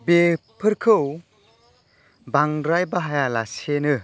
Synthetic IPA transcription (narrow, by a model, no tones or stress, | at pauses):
bepʰɯɾkʰɯw | baŋɾajbaɦajalasenɯ